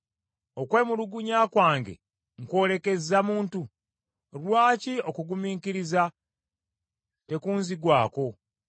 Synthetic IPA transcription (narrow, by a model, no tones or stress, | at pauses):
o̞kwe̞ːmuluɡuɲaːkwaːŋɡe̞̰ | ŋkwo̞ːle̞ke̞zamuːntu | lwaːcio̞kuɡumiːkiɾiza | te̞kuːnziɡwaːko̞